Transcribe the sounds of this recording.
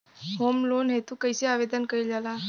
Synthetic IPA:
ɦomlonɦet̪ũkəjseaʋed̪ənkəild͡ʒala

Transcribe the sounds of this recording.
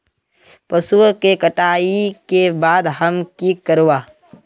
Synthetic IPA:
pɐsukekəʈaːikebaːd̪ɦəmkikəɾowaː

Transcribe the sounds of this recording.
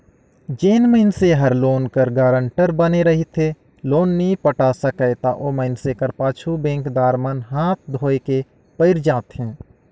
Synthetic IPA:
d͡ʒeːnməɪnseɦəɾloːnkəɾɡaːɾə̃ɳʈəɾbəneɾəɦit̪ʰe | loːnːipəʈaːsəkəjt̪aʔoːməɪnsekəɾpaːt͡ʃʰubẽːŋkd̪aːɾmənɦaːt̪̚ʰd̪ʱoːeke | pəɪɾd͡ʒãːt̪ɦɛ̃ː

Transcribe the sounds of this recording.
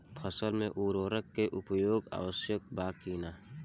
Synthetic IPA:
pʰəsəlmẽʔuːɾoːɾəkːeʔʊpjoːɡa̰ːʋəsjək̚baːkiːnaː

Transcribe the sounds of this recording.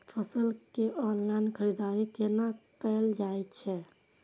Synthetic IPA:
pʰəsəlkeʔɔnlaɪnkʰəɾid̪aːɾikenakəld͡ʒaɛtt͡ʃʰɛ

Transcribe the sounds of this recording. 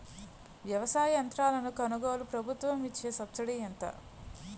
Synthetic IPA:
ʋjɐʋɐsaːjɐɐnt̪ɾaːlɐnukɐnuɡoːlupɾɐbʱut̪ʋɐmʋit͡ʃːeːsɐpt͡ʃɐɽiɐnt̪ɐ̰

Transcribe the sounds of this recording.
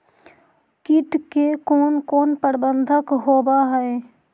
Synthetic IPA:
kɪʈkekoːnkoːnpəɽbə̃nd̪ʱəkɦoːbaɦɛe

